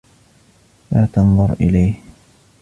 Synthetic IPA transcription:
laːt̪ɑnðˤʊɾʔɪlajh

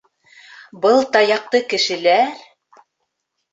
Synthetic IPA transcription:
bɤlˠt̪ɑjɑq̚t̪ɤkɘ̆ʃɘ̆læɾ

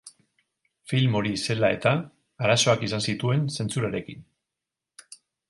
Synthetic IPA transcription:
filmo̞ɾise̞lae̞t̪aː | ɾaso̞akisansit̪ue̞nse̞nt͡suɾaɾe̞kin

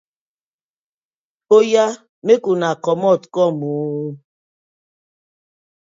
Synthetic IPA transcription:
oja | mekunakɔmɔtkɔmu

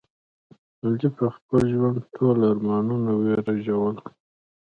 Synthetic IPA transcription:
mald͡ʒipəxpəlʒwand̪ʈʰolaɾmɑnunaweɾaʒawəl

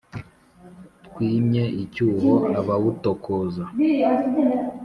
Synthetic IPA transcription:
tkwiːmɲe̞ʔicuːɦoaβaβutokʰoza

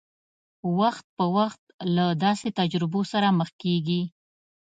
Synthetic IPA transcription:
waxt̪̚pəwaxt̪lad̪ɑset̪ad͡ʒɾɪbosaɾaməxkeɡi

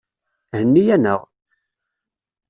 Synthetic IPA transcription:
hənːijænəʁ

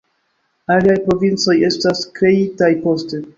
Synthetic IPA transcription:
aliajpɾo̞vint͡so̞je̞staskɾe̞itajpo̞ste̞

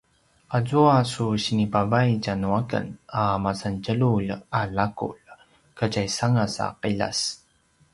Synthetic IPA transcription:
ʔazuasuɕinipavajcanuakə̰namasancəlulalakṵl | kəcajsaŋasa̰qila̰s

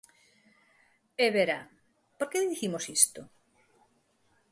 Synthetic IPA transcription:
eβeɾa | poɾkeððiθimosist̪o

